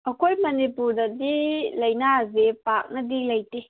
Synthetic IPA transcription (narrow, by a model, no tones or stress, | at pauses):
ɐkʰojmɐnipuɾdɐdilɐjnazepak̚nɐdilɐjte